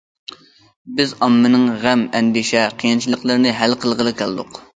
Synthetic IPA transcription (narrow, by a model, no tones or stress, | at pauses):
bɪzɑmːɨnɨŋʁɛmɛnd̪iʃɛqʰijɨnt͡ʃʰilˠəqlˠɨɾnɨɦælqʰəlˠʁəlˠɨkʲʰælˠd̪ʊq